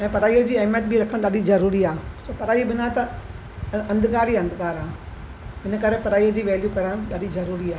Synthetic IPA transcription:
ɛ̃ːpɐɾaːijəd͡ʑiːɐɦmjət̪̚bɪɾɐkʰəɽ̃ɗɐɗizɐɾuːɾiaːsopɐɾaːibɪnat̪ɐ | ɐ̃nd̪ɪɡaːɾiɐ̃nd̪ɡaːɾaː | ɦɪnə̆kɐɾepɐɾaːiːəd͡ʑiːʋɛːljukɐɾəɽ̃ɗaɗizɐɾuːɾiaːɦ

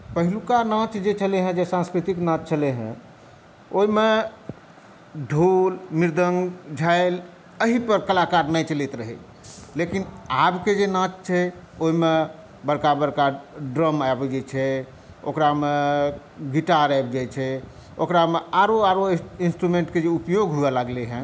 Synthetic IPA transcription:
pəɦilukanãt͡ʃd͡ʒet͡ʃʰəleɦə̃d͡ʒesãnskɾit̪iknãt͡ʃt͡ʃʰəleɦɛ̰̃ | oime | ɖʱulmiɾd̪ʱəŋɡd͡ʒʱaɪl | əɦipəɾkəlakaɾnəjt͡ʃəlit̪ɾəɦɛ̰ | lekinabked͡ʒenãt͡ʃt͡ʃʰɛ | oɦime | bəɾkabəɾkaɖɾəmabd͡ʒɛt͡ʃʰɛ | o̰kɾame | ɡiʈaɾabd͡ʒat͡ʃʰɛ | okɾameaɾoaɾoinsʈɾumẽɳʈked͡ʒeupjoɡɦuɛlaɡleɦɛ̃

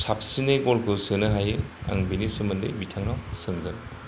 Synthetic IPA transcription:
sap̚sineɡɔlkusɯnɯɦajɯa̰ŋbinisumɯndɯ̰jbitʰaŋnawsɯŋɡɯn

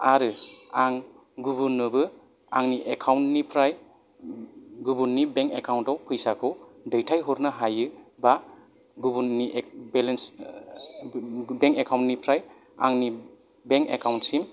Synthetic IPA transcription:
aɾɯaŋ | ɡubunːɯbɯ | a̰ŋniʔekʰawntnipʰɾaj | ɡubunːibeŋkekʰawntawpʰɯjsakʰɯwdejtʰajɦuɾnaɦajɯba | ɡubunibɛlens | beŋkekʰawntnipʰɾaj | a̰ŋni | beŋkekʰawntsim

